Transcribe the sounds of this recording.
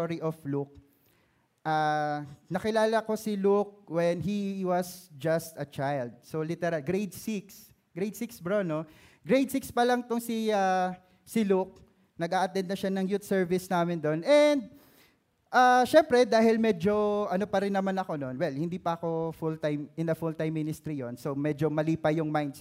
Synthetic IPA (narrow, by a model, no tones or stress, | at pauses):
oɾiʔofluk̚ | ʔa | nɐkɪlaːlɐko̞sɪluk̚wɛnɦiwɐsd͡ʒɐst̪ɐt͡ʃajld̪̚solit̪ɛɾɐlɡɾejd̪siks | ɡ̥ɾejd̪̚siksbɹonoɡɾejd̪̚sikspɐlɐŋt̪ʊŋsia | sɪluk̚ | nɐɡaːʔɐt̪ɛnd̪̚nɐʃanɐŋjut̪sɛɹvɪsnaːmɪnd̪o̞nɛnd̪̚ | ʔaʃɛmpɾɛd̪aːɦɪlmɛd͡ʒo̞ʔɐnopɐɾɪnːɐmanɐko̞no̞nwɛlhɪnd̪iːpɐɐko̞fult̪ajmʔɪnɐfult̪ajmːɪnɪst̪ɾijonsomɛd͡ʒomɐliːpɐjʊŋmajnd̪s